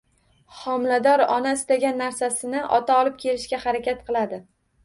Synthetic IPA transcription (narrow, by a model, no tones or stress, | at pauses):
hɒmlad̪ɒɾɒnasɪt̪aɡʲanːaɾsasɪnɪʔɒ̰t̪ʰaɒlˠɪp̚kʲʰe̞lɪʃkʲahaɾakʲat̪qʰɨlˠad̪ɪ